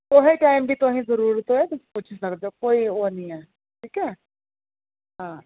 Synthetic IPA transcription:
t̪oɦĩʈajmbʱiːt̪oɦĩːd͡zəɾuːɾt̪ojet̪əsput͡ɕʰisəkd̪okoioniɛ | ʈʰiːkɛ | ɦã

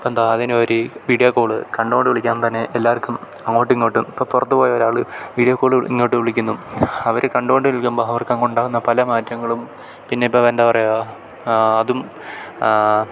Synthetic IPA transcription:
end̪aːɐðinoɾuʋiːɽijɐkːoːɭɨkɐɳɖuoɳɖɨʋiɭikʲːaːnt̪ɐnːe̞ʔelːaːɐrkʲːum | ɐŋːoːʈːiŋːoːʈːumipːoːpurɐt̪ːupo̞ːjɐoɾaːɭɨʋiːɽijɐkːoːɭɨḭŋːoːʈːɨʋiɭikʲːunːuɐʋɐɾɨkɐɳɖuoɳɖɨʋiɭkʲːumbɐɦɐʋɐrkːaːŋkoɳɖaːɣunːɐpɐlɐmaːtjɐŋːɐɭum | pinːe̞ipːɐʋend̪ɐpɐrɐja | ɐðum

